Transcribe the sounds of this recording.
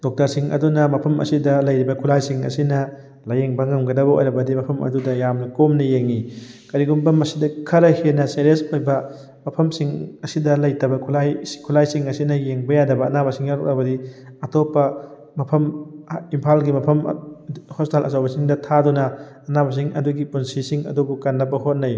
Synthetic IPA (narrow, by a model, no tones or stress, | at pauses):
d̥ok̚tɐɾsiŋɐ̰dunɐmɐpʰɐmʔɐ̰sidɐlɐjɾibɐkʰulajsiŋɐ̰sinɐ | lɐjeŋbɐŋɐmɡɐdɐbɐʔo̰jɾɐbɐdimɐpʰɐmɐ̰dudɐjamnɐkomnɐjeŋikɐɾiɡumbɐmɐsidɐkʰɐɾɐhenɐseɾesʰojbɐ | mɐpʰɐmsiŋɐsidɐlɐjtɐbɐkʰulajkʰulajsiŋɐsinɐjeŋbɐjadɐbɐːnabɐsiŋjaɾuk̚ɾɐbɐdiɐtʰopːɐ | mɐpʰɐmimpʰalɡimɐpʰɐm̰ | hositalɐ̰sawbɐsiŋdɐtʰadunɐː | nabɐs̬iŋɐ̰duɡipunsisiŋɐ̰dubukɐnːɐpːɐhot̚nɐj